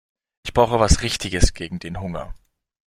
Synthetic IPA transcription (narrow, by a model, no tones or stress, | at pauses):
ʔɪçb̥ʁ̥aʊxəvasʁɪçtɪɡəsɡ̥eːɡŋ̩d̥eːnɦʊŋɐ̰